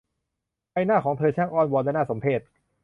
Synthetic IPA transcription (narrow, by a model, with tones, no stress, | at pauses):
pa˧jnaː˥˩kʰɔː˩˦ŋt̪ʰɤː˧t͡ɕʰaː˦˥˩ŋʔɔː˧nwɔː˧lɛː˥˩naː˥˩so˩˦mpʰeː˥˩t̪̚